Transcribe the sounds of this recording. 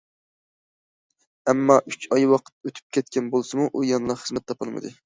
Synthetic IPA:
ɛmːɑʔyt͡ʃʰɑjwɑqʰə̥t̪̚øt̪ʰy̥p̚kʲʰɛt̪̚kʲʰɛnbolˠsɨmuʔujɑnlˠɑχəzmɛt̪ʰːɑpɨlˠmɨ̰d̪ɨ

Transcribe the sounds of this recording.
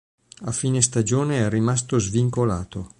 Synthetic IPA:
afiːnest̪ad͡ʒoːneɛrːimast̪ozviŋkola̰ːt̪o

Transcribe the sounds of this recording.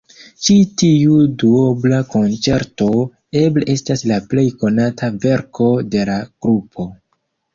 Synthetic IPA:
t͡ʃitiuduoblako̞nt͡se̞ɾto̞ | e̞bleʔe̞staslaple̞jko̞natʰave̞ɾko̞de̞laɡ̥ɾupʰo̞

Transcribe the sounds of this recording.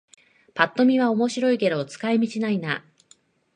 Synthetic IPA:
pat̪ːo̞mʲiβ̞ao̞mo̞ɕiɾo̞ike̞d̪o̞t͡sɨ̥kaemʲit͡ɕinaina

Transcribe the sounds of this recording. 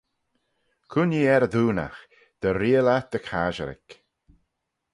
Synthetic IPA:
kʰʊniːɛɾəðuːna̰x | d̪̥əɾiːəlat̪̚d̪̥əkʰaːʒəɾɪ̰k

